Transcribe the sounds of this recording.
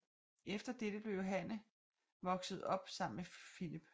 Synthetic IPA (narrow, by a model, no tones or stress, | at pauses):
efd̥ɐd̥ed̥əb̥le̝ʊɦænə | ʋɒ̽ɡ̥səð̞̩ˠɒ̽b̥sɑ̈m̰n̩mefilib̥